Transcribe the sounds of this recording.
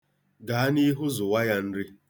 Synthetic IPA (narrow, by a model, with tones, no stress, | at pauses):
ɡa˨a˦ni˦ɦʊ˦zʊ˨wa˦ja˦n̩˦ɾɪ˦